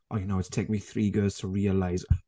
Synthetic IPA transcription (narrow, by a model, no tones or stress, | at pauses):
ʔə̰jənoʊətʰtʰeɪk̚miθɹiːɡɜːlˠz̥tʰəɹiəlaɪz